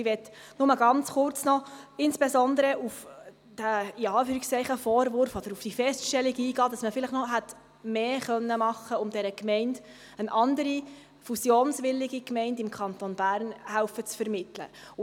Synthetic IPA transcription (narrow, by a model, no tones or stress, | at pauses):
ɪʋɛtːnʊməɡɑnt͡sχʊrt͡snɔɪnsb̥esɔnd̪əɾəʔuf | d̥æɪɑːfyːɾɪkst͡sɛɪχəfɔːɾvʊɾfɔd̥̪əɾufd̥ifɛstʃtɛliɡiːɡɑːdɑsməfɪləχnɔɦæt | meːχœnːəmɑχːəʊmd̥ɛɾəkmɛɪnd | ənʔɑndəɾi | fusjoːnsʋɪlːiɡikmɛɪndɪmkʰɑntonb̥æːɾnhæʊfət͡sfəɾmɪtlə̰